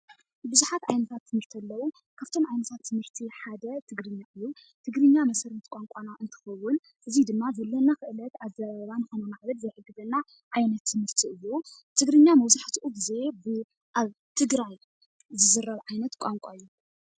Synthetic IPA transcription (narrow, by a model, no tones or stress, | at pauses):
bɨzuħat̪ʕajnɐt̪ʰat̪ʰːɨmɨɾt̪ʰɐlːɐwu | kʰaβt̪ʰo̞mʕajnɐt̪ʰat̪ʰːɨmɨɾt̪ʰiħad̪ɐt̪ʰɨɡɾɨɲːaʔɨjːu | t̪ʰɨɡɾɨɲːamɐsɐɾnt̪kʼaŋkʷʼanaʔɨnt̪ʰɨ̥xɐwːʊn | ʔɨzid̪ɨmːazɐlːɐnakɨʔɨlɐt̪azɐβaβaβanɨxonumaʕβɐd̪zɐjħɨɡːɨzɐnːa | ʕajnɐt̪ʰːɨmɨɾt̪ʰiɨjːut̪ʰɨɡɾɨɲːamɐwzaħt̪ʰiʔuɡɨze̞bɨ | ʔaβt̪ʰɨɡɾaj | zɨzɨɾːɐβʕajnɐt̪kʷʼaŋkʷʼajːu